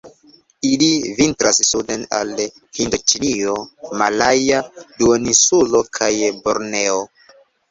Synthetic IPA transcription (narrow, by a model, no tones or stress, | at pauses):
ilivintɾassudena̰l | hindot͡ʃinio̞malajaduonisulo̞kʰajboɾne̞o